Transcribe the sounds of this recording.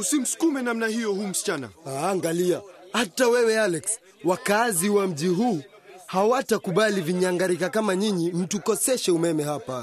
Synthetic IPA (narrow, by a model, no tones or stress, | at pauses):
usim̩su̥kumɛnamnahijɔhum̩si̥t͡ʃana̰aːŋɡaliahatawɛwɛalɛks | wakaziwam̩ʄiɦuː | hawatakuɓaliviɲaŋɡaɾikakamaɲiɲim̩tukɔsɛʃɛumɛmɛɦapa